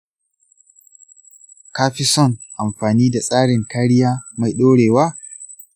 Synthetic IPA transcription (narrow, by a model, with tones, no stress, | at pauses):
kaː˦ɸi˦sɔ˦˨nʔa˨mɸaː˨niː˦da˨sʼaː˦ɽɪ˨ŋkaː˦ɽɪ˦jaː˦ma˨jɗoː˦ɽeː˨waː˦